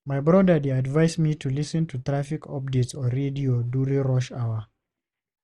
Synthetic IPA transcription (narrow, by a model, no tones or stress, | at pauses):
majbɹɔdədeadvaɪsmitʰulisə̃ntʰut̪ɹafikʰɔ̰p̚detsɔɹediodjuɹĩŋɹɔʃawə